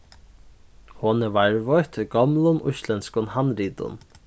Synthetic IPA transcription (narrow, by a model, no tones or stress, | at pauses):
hɔnɛvaɹvɔjt̪ʰɪɡɔmlʊnʔʊ̰slɛnskʊnhanɾiːt̪ʊ̰n